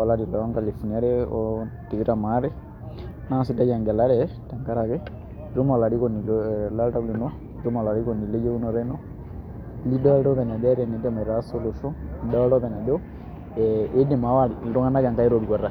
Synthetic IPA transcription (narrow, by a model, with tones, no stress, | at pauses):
a˨la˦ɾi˨ɾa˨a˦ŋɡa˨le˨fu˨ni˨a˦ɾɛ˦ɔti˨βi˦ɾa˨ma˦ɾɛ˦ | na˦si˦da˦d͡ʒa˨ŋɡɛ˨la˦ɾɛ˨˦ta˨ŋka˦ɾa˨kɛ˦˨ | ɾo˦ma˨la˨ɾi˦kɔ˨ni˨lla˦ɾa˦li˨nɔ˦˨ | ɾo˦ma˨la˨ɾi˦kɔ˨ni˨le˦d͡ʒɛ˦u˦nɔ˨ɾɛ˦nɔ˦ | li˦dɔ˦ɾɔ˦βɛ˨ɲa˨dɛ˦ɾɛ˨ni˨˦dɛ˨mɛ˨ɾa˨˦so˦lu˨ʃɔ˦˨dɔ˦ɾɔ˦βɛ˨ɲa˨dɛ˦ɔ˦ | ɛe˦dɛ˨ma˨˦wa˦ɾi˨ɾɔ˦ŋa˦na˦ja˨ŋka˦ɛ˦ɾɔ˨du˨a˨ɾa˨